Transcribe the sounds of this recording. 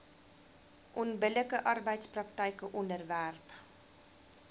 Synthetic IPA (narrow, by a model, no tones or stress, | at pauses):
ʔɔnbələkəʔɐrbəjtsprɐktəjkəʔɔndərværp